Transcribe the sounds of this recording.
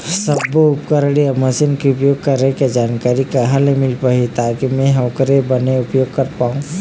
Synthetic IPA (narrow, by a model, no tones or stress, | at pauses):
sɐboʊpkəɾɽiɐmɐsinkiʊpjoːɡ̚kɐɾeked͡ʒaːnkaːɾikaɦɐlemɪlpaɦit̪ʰaːkimẽɦɐːkɾebɐneʊpjoːɡ̚kɐɾpaːũ